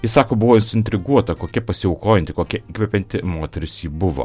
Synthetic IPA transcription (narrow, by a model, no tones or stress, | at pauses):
jɪsɑːkoːbʊʋoːɪnsʊɪnʲt̪ʲɾʲɪɡuɔt̪ɐkoːkʲɛpɐsʲɪɐʊklˠoːjɛnt̪ʲɪkoːkʲɛiːkʋʲɛpʲɛnʲt̪ʲɪmoːt̪ʲɛɾʲɪsjiːbʊʋo̰